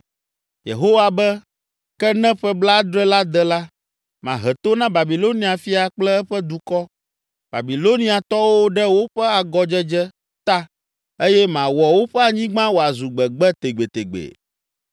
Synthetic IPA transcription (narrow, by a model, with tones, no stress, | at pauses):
jḛ˨ɦo˦wa˨bɛ˦ | kɛ˦nɛ̃˦ɸɛ˦bla˦d̪ɾɛ˦la˦d̪ɛ˦la˦ | mã̰˨ɦɛ˨t̪o˦nã˦ba˨bi˨lo˦nĩ˦a˨fi˦a˨k͡plɛ˦ɛ˦ɸɛ˦d̪u˨kɔ˦ | b̥a̰˨bi˨lo˦nĩ˦a˨t̪ɔ˦wo˦ɖɛ˦wo˦ɸɛ˦a˨ɡɔ˦d͡ʒɛ˦d͡ʒɛ˦ | t̪a˦ | e˦jɛ˦mã˨wɔ˨wo˦ɸɛ˦a˨ɲĩ˦ɡ͡bã˦wo˨a˨zu˨ɡ͡bɛ˨ɡ͡bɛ˦t̪e˨ɡ͡be˨t̪e˨ɡ͡bḛ˨